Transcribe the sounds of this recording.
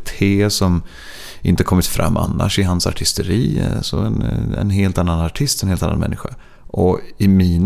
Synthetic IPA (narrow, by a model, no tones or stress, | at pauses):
t̪ʰheːsɔm | ʔɪ̰nt̪əkʰɔmːɪt̪fɾa̰mːʔa̰nːa̰ʂɪɦansa̰ʈʰɪst̪əɾiːsɔɛ̰nɛ̰nɦeːlt̪anːanaʈʰɪst̪ɛnheːlanːa̰mɛ̰nːɪɧa | ʔɔɪmiːn